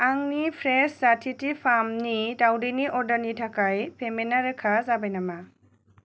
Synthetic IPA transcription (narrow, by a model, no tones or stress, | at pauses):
aŋnipʰɾeszatʰitipʰamnidawdiniʔɔɾdəɾnitʰakajpʰemenaɾɯkʰazabajnama